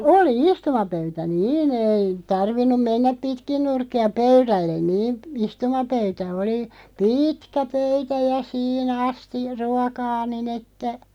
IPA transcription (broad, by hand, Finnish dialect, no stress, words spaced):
oli istumɑpøytæ niːn ei tɑrʋinːum menːæp pitkin nurkːiɑ pøyrælːen niːn istumɑpøytæ oli piːtkæ pøytæ jɑ siːn ɑsti ruɔkɑː nin etːæ